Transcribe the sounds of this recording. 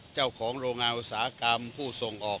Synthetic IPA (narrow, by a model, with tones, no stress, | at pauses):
t͡ɕa˥˩wkʰɔː˩˦ŋɾoː˧ŋːaː˧nʔu˧˩t̚saː˨˩˦a˦˧˩ka˧mpʰuː˥˩so˧˩ŋʔɔː˨˩